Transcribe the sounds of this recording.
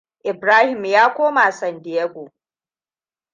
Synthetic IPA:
ʔɪ˨bɾaː˦hɪ˨mjaː˦kʷoː˦ma˨sɐ˨ndɪ˨je˦ɡʷo˨

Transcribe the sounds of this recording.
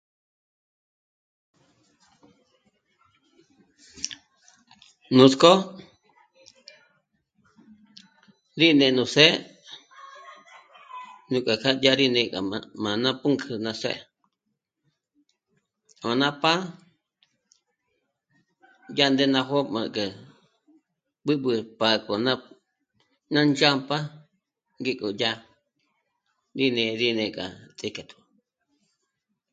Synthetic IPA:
nũ˨˧sko˦ | ɾi˦˨nẽ˧˨nũ˧˨se˦ | nũ˧˨kʷʼa˨kʰa˦ja˦ɾi˦nẽ˧˨kʼa̰˨a˧mã˨nã˦pu˦ŋkʰɨ˧nã˧sḛ˦ | mã˨nã˦pa˦ | ja˦nd̪e˦nã˧ɦo˦mã˧˨ka˨ | ɓɨ˦ɓɨ˧pa˧kʼo˨nã˦ | nã˦nd͡ʒa˦mpa˦ | ŋɡi˦kʼo˨ja˦ | ɾi˦nẽ˧ɾi˦nẽ˧˨kʼa̰˨t͡sʼi˧ka˨t̪ʰu̥˨

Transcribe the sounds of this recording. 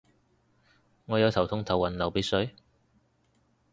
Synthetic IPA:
ŋɔː˨˧jɐ˨˧wt̪ʰɐ˨˩wt̪ʰʊ˧˥ŋt̪ʰɐ˨˩wɐ˨˩nlɐ˨˩wpiː˨˥sɵ˨˥

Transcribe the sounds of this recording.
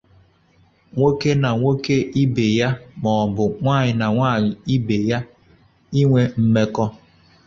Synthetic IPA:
ŋʷo˦ke˦na˨ŋʷo˦ke˦i˦be˨ja˦mɔ˨bʊ˨ŋʷaː˦˨ɲɪ˨na˨ŋʷaː˦˨ɲɪ˨i˦be˨ja˦ | i˦ŋʷe˦m̩˦me˦kɔ˦

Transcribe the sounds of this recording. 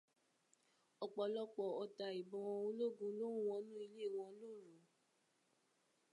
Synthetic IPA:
ɔ˧k͡pɔ˧lɔ˦k͡pɔ˧˨ɔ˧ta˧˨i˨bɔ̃˧wɔ̃˧ũ˧˦lo˦˨ɡũ˨˧˦lo˦ũ˦˨w̃ɔ̃˧˦nũ˦i˧le˦˨w̃ɔ̃˧lo˦˨ɾũ˨

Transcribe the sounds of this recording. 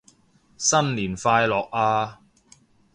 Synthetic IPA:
sɐ˥nliː˨˩nfaː˧jlɔː˨k̚ʔaː˧

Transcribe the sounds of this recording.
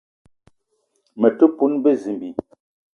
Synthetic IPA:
mə˨tu˦pu˦nbə˦˨zi˨mbi˨

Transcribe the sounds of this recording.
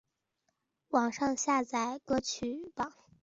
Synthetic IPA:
wɑ˨˩ŋʂɑ˥˧ŋɕja˥˧t͡sa˨˩ɪkɤ˥t͡ɕʰy˨˩pɑ˨˩˦ŋ

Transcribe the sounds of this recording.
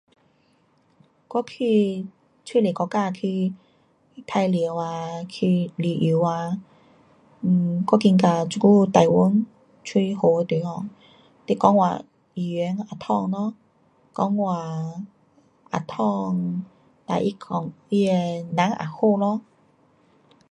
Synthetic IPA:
kwɔ˦kʰi˧ | t͡sʰwi˥˧˨le˨˩kɔ˧ka˥˧˨kʰi˧ | t̪ʰa˧jli˨˧˨wa˧kʰi˧li˨˩ʔi˨˧˩wa˧˨˩ | kɔ˦ki˧ŋka˨˩t͡su˨˧ku˦t̪a˨˩jwu˦n | t͡sʰwi˧ho˨˩˧t̪e˨˦hɔ˧˩ | t̪e˧˩kɔ˧˦ŋwa̰˨ | i˨˩ɛ˨˧˦na˨˩t̪ʰɔ˥˧ŋlɔ˧˦ | kɔ˧˦ŋwa˨˩ | ʔa̰˨˩t̪ʰɔ˥˧ŋ | t̪a̰˨ʔi˦kʰɔ˨˩ŋi˦e˧nã˨˦ŋʔa̰˨˩ho˥˧lɔ˧˦

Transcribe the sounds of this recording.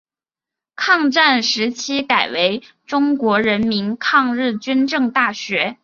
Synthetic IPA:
kʰɑ˥˧ŋʈ͡ʂa˥˩nʂɻ̩˧˥t͡ɕʰi˥ka˨˩ɪwe˧˥ɪ | ʈ͡ʂʊ˥ŋkwɔ˧˥ɻə˧˥nmi˧˥nkʰɑ˥˧ŋɻɻ̩˥˩t͡ɕy˥nʈ͡ʂɤ˥˧ŋt̪a˥˩ɕɥɛ˧˥

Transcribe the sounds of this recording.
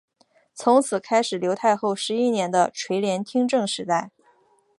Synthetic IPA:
t͡sʰʊ˧˥ŋt͡sʰɹ̩˨˩kʰa˥ɪʂɻ̩˨˩ljo˧˥ʊt̪ʰa˥˧ɪxo˥˩ʊʂɻ̩˧˥i˥njɛ˧˥nd̪ə̰˧ʈ͡ʂʰwe˧˥ɪljɛ˧˥nt̪ʰi˥ŋʈ͡ʂɤ˥˩ŋʂɻ̩˧˥t̪a˥˩ɪ

